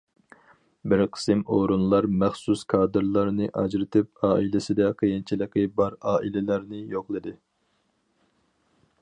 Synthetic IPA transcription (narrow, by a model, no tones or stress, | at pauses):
bɪɾqʰə̥sɨmoɾunlˠɑɾmæχsuskʰɑːd̪ɨɾlˠɑɾnɨʔɑd͡ʒɾɪt̪ʰɪp̚ɑːʔilɪsɪd̪ɛqʰijint͡ʃʰilˠɨqɨbɑɾɑːʔilɪlæɾnɪjoqlˠɨd̪ɨ